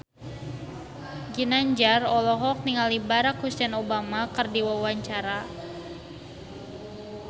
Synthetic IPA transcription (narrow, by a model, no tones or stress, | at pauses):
ɡinaɲd͡ʒarɔlɔɦɔk̚niŋalibaɾakhust̪anobamakərdiwawaɲt͡ʃaɾa